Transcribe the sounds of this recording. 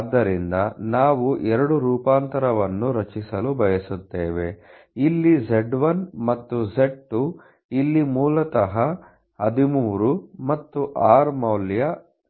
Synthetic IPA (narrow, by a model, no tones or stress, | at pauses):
d̪ːɐɾind̪ɐnaːʋuʔɛɾɐɽuɾuːpaːnt̪ɐɾɐʋɐnːuɾɐt͡ʃisɐlubʱɐjɐsut̪ːeːʋe̞̰ | ilːid͡ʒeɖʋɐnmɐt̪ːuzeɖ̚ʈu | ilːimuːlɐt̪ɐɦɐ | ɐd̪imuːɾumɐt̪ːuʔaːɾmɐwljɐ